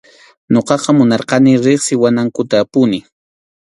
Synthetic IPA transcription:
ɲoqɑqɑmʊnɑɾqɑnɪɾɪχsɪwanaŋkʊt̪aːpʊnɪ

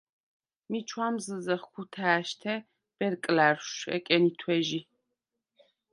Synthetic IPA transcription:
mit͡ʃʰwamzɨzɐχkʰut̪ʰaːʃt̪ʰɛ | b̥ɛɾkʼlaɾʃɛ̰kʼɛnit̪ʰwɛʒi

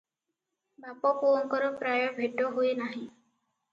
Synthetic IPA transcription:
bapɔpoŋkɔɾɔpɾajɔbʱeʈɔɦujenaɦĩ

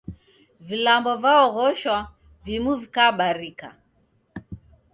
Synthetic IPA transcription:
vilambɔvaɔɣɔʃwa | vimuvikaɓaɾika̰

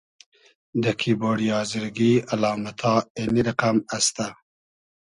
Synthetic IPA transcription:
d̪əkʰiboːɽijɑːzɪɾɡialɑːmat̪ʰɑːeniɾaqamast̪a

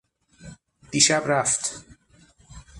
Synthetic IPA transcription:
d̪̥iːʃæbɾæft̪

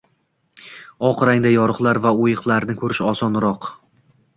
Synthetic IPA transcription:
ɒqɾaŋd̪ajɒɾɨχlˠaɾvaojɨqlˠaɾnɪkʰɵɾɪʃɒsɒnɾɒq

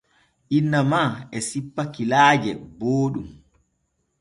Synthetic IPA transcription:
ʔinːamaɛsipːakilaːd͡ʒɛboːɗum

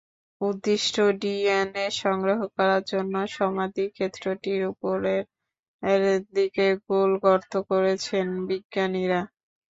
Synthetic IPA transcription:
ud̪ːiʃʈʰoɖieneʃɔŋɡɾoɦokɔɾaɾd͡ʑonːoʃɔmad̪ikʰet̪ːɾoʈiɾupoɾeɾ | ɾd̪ikeɡolɡɔɾt̪ʰokoɾet͡ɕʰenbiɡːaniɾa

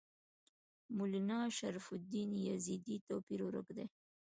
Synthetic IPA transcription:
mʊlinɑʃaɾfʊd̪injazid̪it̪opiɾwʊɾʊ̰kd̪e

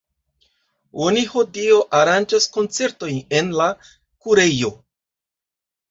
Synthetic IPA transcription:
o̞niho̞dio̞ʔaɾand͡ʒasko̞nt͡se̞ɾto̞jne̞nla | kuɾe̞jo̞

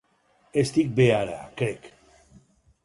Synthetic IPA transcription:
est̪ik̚beaɾa̰kɾek

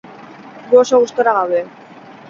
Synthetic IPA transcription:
ɡuoso̞ɣust̪oɾaɣ̞awðe̞

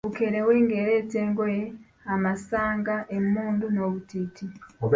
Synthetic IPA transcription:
βukeɾeweːŋɡe̞ɾeːteːŋɡoje | amasaːŋɡaʔemuːndunoβutiːtioβ

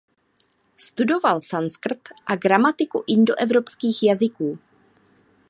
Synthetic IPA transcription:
st̪udo̞valsanskr̩t̪ʔaɡɾamat̪ɪkuʔɪndoʔɛvɾo̞pskiːxjazɪkuː

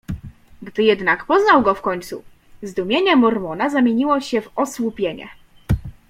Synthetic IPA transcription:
ɡd̪ɘjɛd̪nakpɔznawɡɔfkɔɲt̪sṵ | zd̪umʲjeɲɛmɔɾmɔnazamʲjeɲiwɔɕɛvɔswupʲjeɲɛ̰

